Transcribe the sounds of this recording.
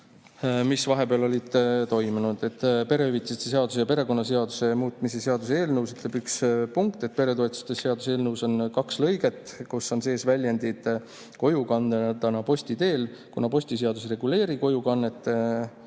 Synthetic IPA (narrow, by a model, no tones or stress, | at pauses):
misvɑɦe̞beɑlo̞lʲid̪̥t̪o̞jmunud̪̥e̞t̪ːˑpe̞ɾe̞yvit̪sist̪ːese̞ɑd̪us̬ejɑpe̞ɾe̞ko̞nːɑse̞ɑd̪use̞muːt̪ˑmisese̞ɑd̪̥useːlnɤwsyt̪le̞bykspuŋkt̪e̞t̪̚ːˑpe̞ɾe̞t̪oet̪u̥st̪ese̞ɑd̪u̥seːlnɤwso̞nkɑkslɤjɡe̞t̪ːˑkusːo̞nse̞ːsvælʲjend̪id̪̥ | ko̞jukɑnːed̪ɑnɑpo̞sʲt̪it̪e̞ːlkunɑpo̞sʲt̪iseɑd̪̥usre̞ɡule̞ːɾiko̞jukɑnːe̞t̪ːˑ